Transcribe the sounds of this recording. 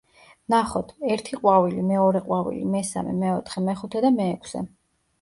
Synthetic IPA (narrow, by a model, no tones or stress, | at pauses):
naχɔt̪ʰɛɾt̪ʰiqʼwavilimɛɔɾɛqʼwavḭlḭmɛsa̰mɛ̰mɛɔt̪ʰχɛmɛχut̪ʰɛd̪amɛːkʷʰsɛ̰